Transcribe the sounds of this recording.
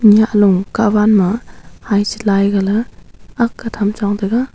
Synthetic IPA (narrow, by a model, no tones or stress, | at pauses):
niaʔluŋkabanmɐhajsi̥lajɡalɐː | kːɐtʰamt͡ʃaŋdɐɡa